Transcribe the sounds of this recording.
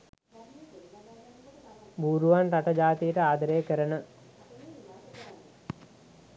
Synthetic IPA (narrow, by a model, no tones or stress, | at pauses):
buːɾuʋanɾaʈəd͡ʒaːt̪ijəʈəaːd̪əɾejəkəɾənə